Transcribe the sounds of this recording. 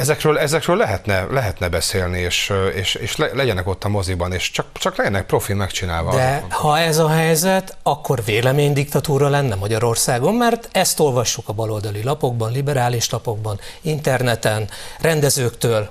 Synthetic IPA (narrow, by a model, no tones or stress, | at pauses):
ɛzɛkrøːlɛzɛkrøːlːɛɦɛt̪nɛlɛɦɛt̪nɛbɛseːlnieːʃeːʃeːʃlɛlɛɟɛnɛko̞t̪ːɒmo̞zibɒneːʃt͡ʃɒk̚t͡ʃɒklɛɟɛnɛk̚pro̞filmɛkt͡ʃina̰ːlvɒd̪ɛhɒɛzɒɦɛjzɛt̪ | ɒkʰːo̞rveːlɛmeːɲd̪ikt̪ɒt̪uːɾɒlɛnːɛmɒɟɒɾo̞rsaːɡo̞mːɛrt̪ɛst̪o̞lvɒʃːukɒbɒlo̞ld̪ɒlilɒpo̞ɡ̚bɒnlibɛɾaːliʃlɒpo̞ɡ̚bɒnint̪ɛrnɛt̪ɛnrɛnd̪ɛzøːkt̪øːl